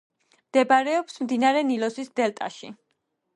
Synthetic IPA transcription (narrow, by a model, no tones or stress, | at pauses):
md̪̥ɛbaɾɛɔpsmd̪inaɾɛnilɔsisd̪ɛlt̪ʼa̰ʃḭ